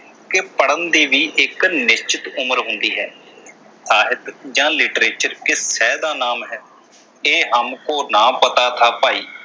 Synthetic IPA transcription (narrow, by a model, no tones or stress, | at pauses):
kepəɽənd̪iːʋiːʔɪknɪst͡ʃɪt̪ʊməɾɦʊnd̪iːɦɛː | saːɦɪt̪d͡ʒãːlɪʈɾeːt͡ʃəɾkɪsɛːd̪aːnaːmɦɛː | eːɦəmkoːnãːpət̪aːt̪ʰaːpaːiː